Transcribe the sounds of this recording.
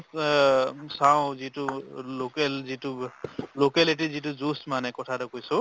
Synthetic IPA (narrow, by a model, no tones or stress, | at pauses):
sawʊ̃zitulokɛlzitulokɛlit̬izituzusmanɛkɔtʰatʊkojsʊ̃